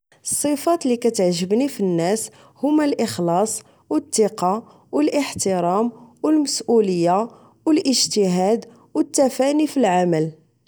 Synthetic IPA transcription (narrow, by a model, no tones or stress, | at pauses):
ʔsˤːifɑt̪likæt̪əʕʒəbnifinːæs | hʊmælʔəxlɑsˤ | wət̪ːiqɑ | wəlʔəħt̪əɾˤɑmwəlməsʔuləjːa | wəlʔəʒt̪əɦæd̪ | wət̪ːæfænifilʕaməl